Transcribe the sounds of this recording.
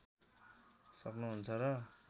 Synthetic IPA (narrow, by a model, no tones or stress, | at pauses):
sʌknuɦunt͡sʰʌɾʌ